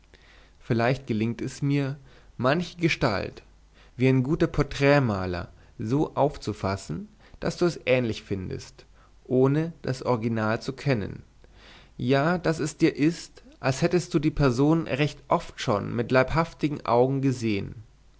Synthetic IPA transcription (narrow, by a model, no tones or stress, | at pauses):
fɪlaɪçt̚ɡ̥əlɪŋtɛsmiːɐ | mançəɡəʃta̰lt | v̥iːaɪnɡuːtɐpʰɔɐtʁ̥ɛːmaːlɐ̰ | zoːʔaʊft͡sufa̰sn̩ | d̥asd̥uːɛsʔɛːnlɪçfɪndə̰st | ʔoːnəd̥asʔɔʁɪɡinaːlt͡sukʰɛnə̰n | jaːd̥asɛsd̥iːɐʔɪstʔalshɛtəst̚d̥uːdiːpʰɛɐzoːnnʁɛçtʔɔftʃo̰ːnmɪtlaɪphaftɪɡŋ̩ʔa̰ʊɡŋ̩ɡəzeːə̰n